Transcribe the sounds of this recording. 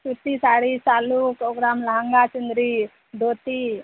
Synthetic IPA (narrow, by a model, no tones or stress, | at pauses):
sut̪isaɽisaːlukoɡɾamləɦəŋɡat͡ʃund̪ɾi | d̪ot̪i